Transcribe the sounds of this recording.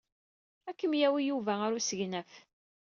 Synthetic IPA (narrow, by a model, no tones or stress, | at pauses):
ækːəmjæwijuvæaɾusəʝnæf